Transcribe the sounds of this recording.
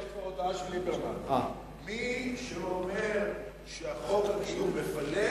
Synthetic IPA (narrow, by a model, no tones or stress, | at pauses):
efaod̪aaʃelibemana | miʃeomeʁ | ʃeaχoʁenijumefale